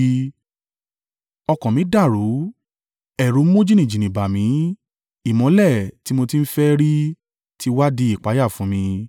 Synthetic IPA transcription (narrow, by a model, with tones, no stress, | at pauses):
ɔ˧kɔ̃˨mĩ˨˦da˦˨ɾu˨˦ | ɛ˨ɾu˨˦mõ˦d͡ʒi˦nĩ˨d͡ʒĩ˨nĩ˨ba˨mĩ˨˦ | i˦˨mɔ̃˨˦lɛ˦˨ti˨˦mo˧ti˦n̩˦fɛ˦ɾi˦ | tʰi˦wa˦di˧˦i˦˨k͡pa˨˦ja˦˨fũ˨˦mĩ˧